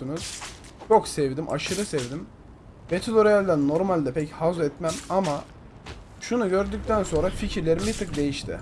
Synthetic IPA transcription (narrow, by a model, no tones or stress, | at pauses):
unuz̥ | joksɛvd̪imʔa̰ʃɯɾɯsɛvd̪im | vet̪ʰiloɾiælʲd̪ænnːo̞ɾmalʲd̪ɛpʰɛchazɛt̪mæmama | ʃunuɟøɾd̪yc̚t̪ʰænso̞nɾaficʰiɾlʲe̞ɾimit̪ʰɯk̚d̪e̞jiʃt̪ʰɪ̰